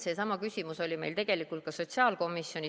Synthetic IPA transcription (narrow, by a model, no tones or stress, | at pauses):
se̞ːsɑmɑkysʲimuso̞lʲime̞̰jlt̪e̞ɡ̥e̞likːˑult̪̚kɑso̞ttsiɑːlko̞mːisjo̞ni